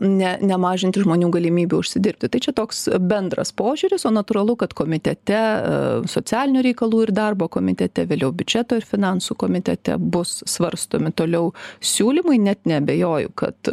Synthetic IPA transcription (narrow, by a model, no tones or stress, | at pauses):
nʲɛnʲɛmɑːʒʲɪnʲt̪ʲɪʒmoːnʲuːɡɐlʲɪmʲiːbʲuːʊʃʲsʲɪd̪ʲɪɾʲp̚ʲt̪ʲɪt̪ɐɪt͡ʃʲɛt̪oːksbʲɛnd̪rɐ̰spoːʒʲʊɾʲɪsoːnɐt̪uːɾɐlˠʊkɐt̪koːmʲɪt̪ʲɛt̪ʲɛsoːt͡s̪ʲæːlʲɪnʲuːɾʲɛɪkɐlˠuːɪrd̪ɐrboːkoːmʲɪt̪ʲɛt̪ʲɛʋʲeːlʲɛʊbʲʊd͡ʒʲɛt̪oːɪɾfʲɪnɑnsuːkoːmʲɪt̪ʲɛ̰t̪ʲɛ̰bʊssʋɐɾst̪o̰ːmʲɪt̪oːlʲɛʊsʲuːlʲimɐɪnʲɛt̪nʲɛɐbʲeːjoːjʊ̰kɐ̰t̪